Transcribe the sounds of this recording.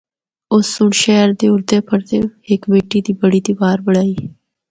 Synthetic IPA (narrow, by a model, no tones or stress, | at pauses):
ʊsːʊɳʃɛːɾd̪eːʊɾd̪eːpʰəɽt̪ḛːɪkbeːʈiːd̪iːbəɽiːd̪iːbaːɾbəɽaːiː